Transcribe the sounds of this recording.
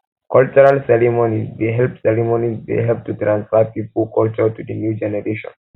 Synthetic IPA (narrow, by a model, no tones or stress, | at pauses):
kɔlt͡ʃuɾalsɛɾimonizdeɦɛlpsɛɾimonizdḛɦɛvtutɾãnsfapipulkʰɔlt͡ʃɔtudənjud͡ʒɛnɛɾeʃɔ̰̃n